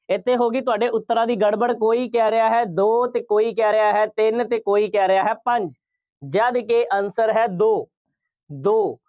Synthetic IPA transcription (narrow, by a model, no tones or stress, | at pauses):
ɪt̪ʰːeːɦoːɡiːt̪̬ʊaːɖeːʔʊt̪ːəɾaːd̪iːɡəɽbəɽkoːiːkɛːɾɪjaːɦɛːd̪oːt̪eːkoːiːkɛːɾɪaːɦɛːt̪ɪnt̪eːkoːiːkɛːɾɪjaːɦɛːpəɲd͡ʒ | d͡ʒaːd̪keːʔənsəɾɦɛːd̪oː | d̪oː